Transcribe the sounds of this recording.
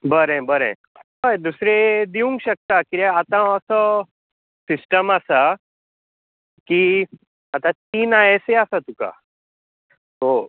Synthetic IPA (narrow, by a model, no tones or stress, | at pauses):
bəɾẽbəɾḛ̃ | ɦajd̪usɾed̪iũŋɡɕək̚t̪akiɾeat̪ãəsə | sisʈəmasa | ki | at̪at̪iːnaeseasat̪uka̰ | t̪o